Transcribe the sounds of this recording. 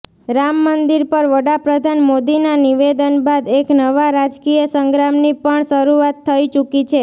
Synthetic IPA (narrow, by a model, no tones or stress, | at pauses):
ɾamːənd̪iɾpəɾʋəɽapɾəd̪ʱanmod̪inaniʋed̪ənbad̪eknəʋaɾad͡ʒkijəsəŋɡɾamnipəɳʃəɾuat̪ʰːəit͡ʃukit͡ʃʰe